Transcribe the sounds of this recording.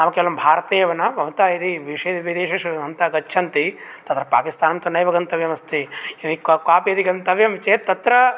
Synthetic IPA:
namɐkeʋɐlɐmbʱaːɾɐt̪eːjɐʋɐnɐʋɐʋt̪aːid̪iʋiʂɐʋid̪eːʃɐʂɐɐnt̪ɐɐɡɐtːʃʰɐnt̪it̪ɐt̪ɾɐpaːkist̪aːnɐmt̪ɐnɐjʋɐɡɐnt̪ɐʋjɐmɐst̪iinikkaːpijɐd̪iɡɐnt̪ɐʋjɐmt͡ʃeːt̪ɐt̪ɾɐ

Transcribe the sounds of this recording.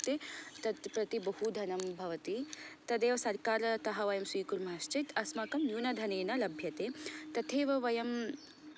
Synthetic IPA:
t̪et̪ɐt̪pɾɐt̪ibɐhud̪ʱɐnɐmbʱɐʋɐt̪it̪ɐd̪eːʋɐsɐɾkaːɾɐt̪ɐɦɐʋɐjɐmsʋiːkuɾmɐɦɐst͡ʃit̪ɐsmɐkɐmjuːnɐd̪ʱɐneːnɐlɐbʱjɐt̪eːt̪ɐt̪ʰeːʋɐʋɐjɐm

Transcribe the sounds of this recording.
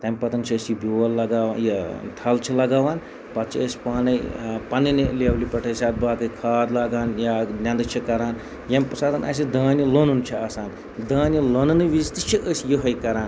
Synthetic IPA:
t̪ɐmʲpɐt̪ɐnt͡ʃʰiəsjibʲoːwɐlːɐɡaːʋnjɐt̪ʰɐlt͡ʃʰilɐɡaːʋaːn | pɐt̪t͡ʃʰiəsʲi̥paːnɐjpɐninilewlipɐʈʰɐjsʲaːt̪̚baːkɐjkʰaːd̪laːɡaːnjanʲɐnd̪ɨt͡ʃʰikɐɾaːn | jɐmʲpɐsaːt̪ɐna̰ːs̬id̪aːnilonunt͡ʃʰiaːsaːn | d̪aːnʲilonɐnɨʋist̪it͡ʃʰiʔəsjiɦɐjkɐɾaːn

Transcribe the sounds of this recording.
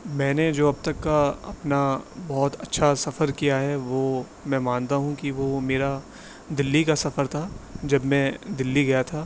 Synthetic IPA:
mɛ̃ːned͡ʒoːɐb̚t̪ɐkːaɐ̰pnabɔːt̪ɐtːʃʰasɐfəɾkijaɦɛʋo | mɛ̃ːmãːnt̪aɦũkiʋomeːɾa | d̪ɪlːikasɐfəɾt̪ʰad͡ʒɐbmɛ̃d̪ɪlːiɡɐjat̪ʰaː

